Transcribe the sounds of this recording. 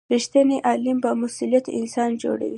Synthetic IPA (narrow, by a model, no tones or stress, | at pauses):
ɾiʃt̪aneʔɑlimbamʊsulijat̪ɪ̰nsɑnd͡ʒo̰ɽa̰wi